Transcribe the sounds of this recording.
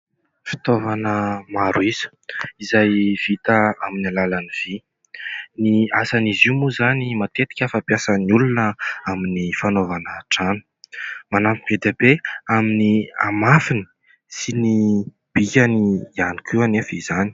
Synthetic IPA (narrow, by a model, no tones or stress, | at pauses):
fi̥t̪ovanəmaɾuiz̥ə̥ | izajv̥it̪əaminalalaniv̥i | niasaniziumuzanimat̪et̪i̥kʲəfapjasənulunəaminifanovanəʈ͡ʂanə̥manampived̪ebeaminiamafini̥ | sini | b̥ikʲaniianikʰuanefiz̥ani̥